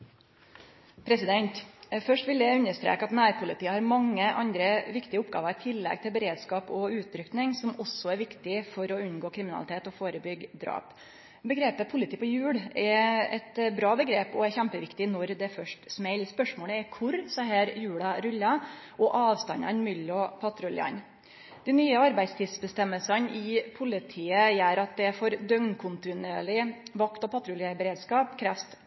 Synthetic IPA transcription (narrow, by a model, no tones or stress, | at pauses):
pʰɾɛsɪd̪ɛnt̪fœʂʈʋɪljæʉnːəʂt̪ɾḛːkəɑt̪næːɾpʰʊlɪt̪iːəhɑɾmɑŋːəʔɑnd̪ɾəʋɪkt̪ɪəʊpɡɑ̰ːʋɑɾɪt̪ʰɪlːɛ̰ɡ̚t̪ʰɪlbəɾeːd̪skɑːpɔʉːt̪̚ɾʏkt̪nɪŋsɔmɔsːɔæɾʋɪkt̪ɪfɔɾɔʉnɡoːkʰɾɪmɪnɑ̰ɪt̪ʰeːt̪ɔfoːɾəbʏɡːd̪ɾɑ̰ːp | bəɡɾeːpəpʰʊlɪt̪iːpɔjʉːɽɛɾɛ̰t̪bɾɑːbəɡɾeːpɔɛɾçæmpəʋɪkt̪ɪnɔɾd̪ɛfœʂʈsmɛɪlspœʂmoːləɛɾkʰʊɾsɔɦæːɾjʉːɽɑɾʉlːɑ | ʔɔʔɑːʋst̪ɑnɑ̰ɛnmʏlːɔpʰɑt̪ɾʊlɪ̰ɑ̰n | d̪̥ɛnyːəɑɾbæɪd̪st̪ʰɪːsbəst̪ɛmːəlsɑnʔɪpʰʊlɪt̪ʰiːəjæːɾɑt̪̚d̪ɛfɔɾd̪œŋnkʰʊnt̪ɪneːɭɪʋɑkt̪ɔpʰɑt̪ɾʊljɑbəɾeːd̪skɑːpkʰɾæːfst̪